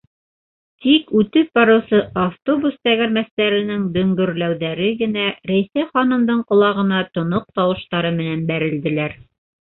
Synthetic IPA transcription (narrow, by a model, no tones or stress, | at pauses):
t̪ikʉt̪ɘp̚bɑɾɤ̆wsɤʔaft̪obust̪æɣæ̆ɾmæst̪æɾɘ̆nɘŋd̪ɵ̆ŋɡɵ̆ɾlæwðæɾɘɡɘ̆næɾæjsæχɑnɤ̆md̪ɤɴqŏlˠɑʁɤ̆nɑt̪ŏnoq̚t̪ɑwɤ̆ʃt̪ɑɾɤmɘ̆nænbæɾɘ̆ld̪ɘ̆læɾ